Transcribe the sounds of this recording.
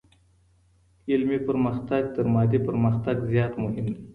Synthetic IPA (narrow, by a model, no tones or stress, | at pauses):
ɪlmipəɾməxt̪aɡ̚t̪əɾmɑd̪ipəɾməxt̪aɡzjɑːt̪mʊɦɪmd̪i